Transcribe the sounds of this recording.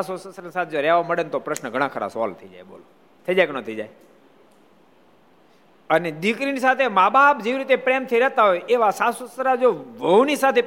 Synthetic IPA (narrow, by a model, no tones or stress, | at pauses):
asosəsɾənsat̪ʰed͡ʒoɾɛʋoməɽent̪opɾəʃnəɡʱəɽ̃ãkʰəɾa̰sɔ̰lt̪ʰəid͡ʒa̰jɓo̰lo | t̪ʰəid͡ʒajknət̪ʰəid͡ʒaj | əned̪ikɾinisat̪ʰemabʱaːbd͡ʒeʋiɾit̪epɾemt̪ʰəiɾəɦt̪aɦojʔeʋasasosɾad͡ʒoʋənisat̪ʰe